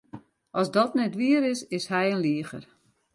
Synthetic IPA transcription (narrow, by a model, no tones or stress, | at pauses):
ʔɔsdɔtnɛtʋiəɾɪsɪshɛjənliəxə̰r